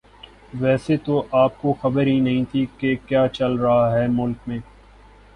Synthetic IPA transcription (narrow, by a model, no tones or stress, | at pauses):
ʋɛːset̪oʔaːp̚koxɐbəɾɦinɐɦĩt̪ʰikekjaːt͡ʃɐlɾɐɦaɦɛːmʊlkmẽː